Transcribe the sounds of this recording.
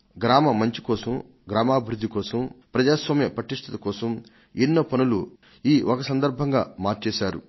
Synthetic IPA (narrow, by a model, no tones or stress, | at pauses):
ɡɾaːmɐmɐɲt͡ʃi̥kɔːsɐm | ɡɾaːmaːbʱiɾud̪ʱːikɔːsɐmpɾɐd͡ʒaːsʋaːmjɐpɾɐʈiʂʈ̪ʰɐt̪ɐkɔːsɐm | inːɐpɐnulu | iːʔokɐsɐnd̪ɐɾbʱɐŋɡaːmaːɾt͡ʃɛːʃaːɾṵ